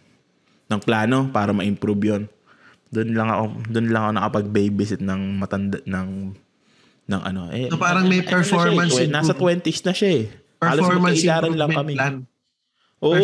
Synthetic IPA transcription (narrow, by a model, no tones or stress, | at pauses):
nɐŋplaːno̞paːɾɐmɐʔɪmpɾubjon | d̪ʊnlɐŋɐ̰ʔo̞d̪ʊnlɐŋɐko̞nɐ̰kopɐɡ̚bɛjbɪsɪt̪̚nɐŋmɐt̪ɐnd̪anɐŋ | nɐŋʔɐ̰no̞ʔɛpaːɾɐŋmɛjpɛɹfoɾɐnɛnaːsɐt̪wɛnt̪ɪsnɐʃaɛ | ʔɛaːlɐmɐʔɪlaːɾɐnlɐŋkɐmɪn | ʔoː